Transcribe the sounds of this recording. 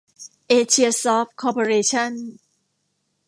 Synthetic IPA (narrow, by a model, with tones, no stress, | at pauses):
ʔeː˧t͡ɕʰi˧ɐsɔː˦˥p̚kʰɔː˧pʰo˧ɾeː˧t͡ɕʰa˥˩n